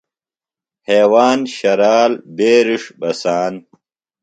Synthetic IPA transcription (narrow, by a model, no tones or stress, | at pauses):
heːwaːnɕɐɾaːlbeːɾiʂbɐsaːn